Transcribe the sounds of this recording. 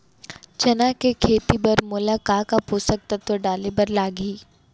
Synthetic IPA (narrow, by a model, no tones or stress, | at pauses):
t͡ʃɐnakekʰeːt̪ibɐɾmʊlaːkaːkapuːsək̚t̪at̪oɖaːlebɐɾlaːɡiː